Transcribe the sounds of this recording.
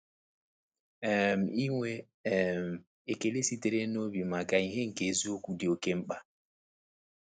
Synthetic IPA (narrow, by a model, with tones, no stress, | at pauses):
ɛ˦˨m̩˨i˦ŋʷe˦ | ɛ˨m̩˨ | e˨ke˨le˦si˦te˨ɾe˦no˦bi˨ma˨ka˨i˦ɦe˦ŋ̩˨ke˨zi˦o˦ku˨di˨o˨ke˦m̩˦k͡pa˦